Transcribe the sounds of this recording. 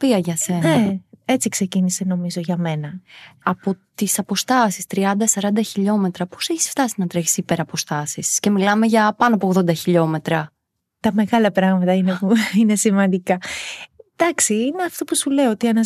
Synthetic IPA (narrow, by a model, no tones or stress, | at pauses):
piɐʝɐse̞neɐet͡sikse̞ciniseno̞mizo̞ʝɐme̞nɐɐpo̞t̪isɐpo̞st̪ɐsist̪ɾiɐnd̪ɐsɐɾɐnd̪ɐçiʎo̞me̞t̪ɾɐpo̞̥seçi̥sft̪ɐsinɐt̪ɾeçi̥sipe̞ɾɐpo̞st̪ɐsisce̞milɐme̞ʝɐpɐnoɐpoɣðo̞nd̪ɐçiʎo̞me̞t̪ɾɐ | t̪ɐme̞ɣɐlɐpɾɐɣmɐt̪ɐinepuine̞simɐnd̪ikɐ | d̪̥ɐksiineɐft̪o̞pusule̞oot̪iɐnɐ